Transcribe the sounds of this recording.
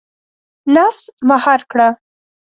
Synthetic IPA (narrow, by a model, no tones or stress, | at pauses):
nafsmahɑɾkɽa